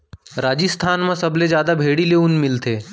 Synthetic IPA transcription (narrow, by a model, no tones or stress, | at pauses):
ɾaːd͡ʒɪst̪ʰaːnmãsɐbled͡ʒjaːd̪abʱeːɽileʊnmɪlt̪ʰeː